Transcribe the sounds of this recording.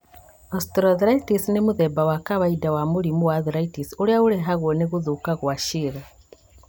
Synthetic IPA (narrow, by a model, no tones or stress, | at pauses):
ostɾaðiɾaitisnemuðebawakaβaidawamuɾimuwaðiɾaitisuɾjauɾeɦaɣwoneɣuðukaɣwaʃiɣa